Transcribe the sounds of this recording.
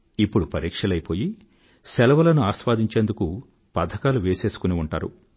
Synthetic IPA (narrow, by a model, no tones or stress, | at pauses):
ipːuɽupɐɾiːkʂɐlɐjpo̞ːji | sɛlɐʋɐlɐnuaːʃʋaːd̪ʱiɲt͡ʃe̞ːnd̪uku | pɐd̪ʱːɐkaːluʋe̞ːse̞ːsu̥kuniuɳʈa̰ːɾṵ